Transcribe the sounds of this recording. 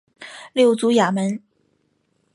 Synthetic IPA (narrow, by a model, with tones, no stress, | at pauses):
ljo˥˩ʊt͡su˧˥ja˨˩mə˧˥n